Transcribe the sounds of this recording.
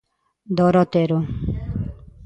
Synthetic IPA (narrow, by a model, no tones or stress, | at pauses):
d̪ɔɾɔt̪eɾu